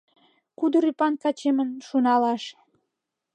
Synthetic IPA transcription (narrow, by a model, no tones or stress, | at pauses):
kud̪oɾypɑnkɑt͡ɕemənʃunɑlɑʃ